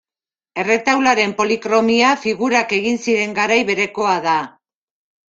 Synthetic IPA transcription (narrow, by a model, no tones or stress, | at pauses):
e̞re̞t̪awlaɾe̞mpo̞likɾo̞miafiɣuɾake̞ɣinsiɾe̞ŋɡaɾajβe̞ɾe̞ko̞aða